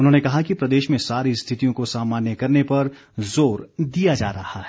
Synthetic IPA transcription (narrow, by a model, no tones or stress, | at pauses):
ʊnɦõːnekɐɦakipɾɐd̪eːʃmẽsaːɾist̪ʰɪt̪ijõkosaːmaːnjəkɐɾnepɐɾ | zoːɾd̪ijad͡ʒa̰ːɾɐhaɦɛː